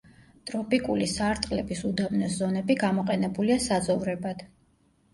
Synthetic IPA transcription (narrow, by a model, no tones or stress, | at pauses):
t̪ʼɾɔpʼikʼulisaːɾt̪ʼqʼlɛbisud̪amnɔszɔnɛbiɡamɔqʼɛnɛbuliasad̪zɔvɾɛbad̪̥